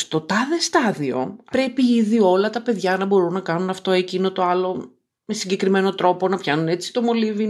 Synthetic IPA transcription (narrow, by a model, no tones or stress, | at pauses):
st̪o̞t̪ɐðest̪ɐðio̞̰pɾe̞piiðio̞lɐt̪ɐpe̞ðʝɐnɐbo̞ɾunːɐkɐnunɐft̪o̞ecino̞t̪o̞ɐlo̞ | me̞siɲɟe̞kɾime̞no̞t̪ɾo̞po̞nɐpçɐnune̞t͡si̥t̪o̞mo̞livi